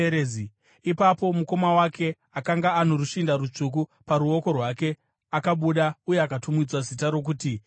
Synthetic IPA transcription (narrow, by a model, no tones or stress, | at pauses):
ɾei | ipapo̞muko̞mawakʰe̞ | akaŋɡaːn̤oɾuʃindaɾut͡ʂuk̬upaɾuo̞ko̞rwake̞ | akaɓuɗauje̞akatumid͡zwazitaɾo̞k̬uːti